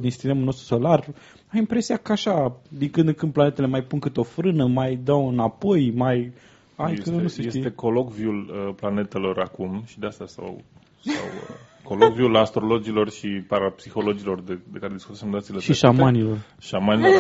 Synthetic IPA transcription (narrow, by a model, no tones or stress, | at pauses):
d̪insi̥st̪e̞mulno̞s̬t̪ɾu̥so̞lar | aimpɾe̞siakəaʃad̪iŋkɨnd̪ɨŋkɨn̚planet̪ele̞majpunkɨt̪o̞fɾɨnəmajd̪awɨnapo̞jmaj | ajt̪nusesesit̪e̞ko̞lo̞kviuləplane̞t̪e̞lo̞ɾakumʃid̪east̪asa̰w | sa̰w̰ | ko̞lokviulast̪ɾo̞lo̞d͡ʒilo̞rʃipaɾapsixo̞lo̞d͡ʒilo̞rd̪ed̪e̞kaɾed̪iskut̪semnd̪at̪sileʃiʃamanilo̞r | ʃamanilo